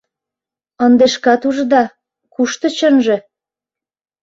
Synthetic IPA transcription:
ənd̪eʃkɑt̪uʒd̪ɑ | kuʃt̪ɤ̆t͡ɕənʒĕ

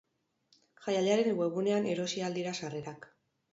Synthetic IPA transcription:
xajaʎaɾe̞ŋɡwe̞ɣune̞ane̞ɾo̞siald̪iɾasare̞ɾak

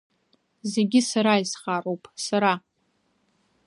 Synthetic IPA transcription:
ze̞ɡʲɪsaɾaisχarowpʼsaɾa

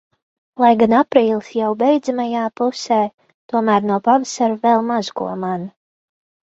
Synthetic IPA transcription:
lˠajɡanapɾiːlˠsjawbɛjd̪zamajaːpuseː | t̪uɔmæːɾnawpavasaɾvɛlˠmazkṵɔman

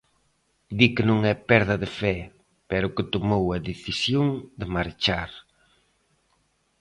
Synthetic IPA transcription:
d̪ikɪnõŋɛpɛɾðɐðɪfɛ | pɛɾʊkɪt̪omowɐðeθisjoŋd̪ɪmaɾt͡ʃaɾ

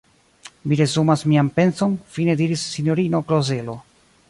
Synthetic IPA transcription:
miɾe̞zumasmiampe̞nso̞nfine̞diɾisːinjo̞ɾino̞kɾoze̞lo̞

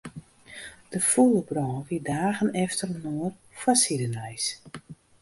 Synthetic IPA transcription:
d̥əfulˠəbrɔːʋidaːɣənɛftərnoər | fasidənɛjs

